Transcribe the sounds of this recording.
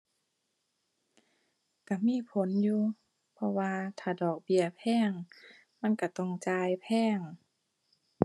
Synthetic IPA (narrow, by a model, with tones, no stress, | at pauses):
ka˧˩miː˧˥˨pʰo˨˦njuː˧ | pʰɔ˧waː˧t̪ʰaː˧˩dɔː˨˩k̚bi˧˨ɐpʰɛː˧˥˩ŋ | ma˧˥˨nka˧˩t̪ɔ˧˩˨ŋt͡ɕaː˧jpʰɛː˧˥˩ŋ